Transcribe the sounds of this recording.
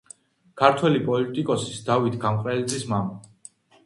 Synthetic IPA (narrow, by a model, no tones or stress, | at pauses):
kʰaɾt̪ʰwɛlipʼɔlit̪ʼikʼɔsi̥sd̪avit̪ʰɡamqʼɾɛlit̪zʼismama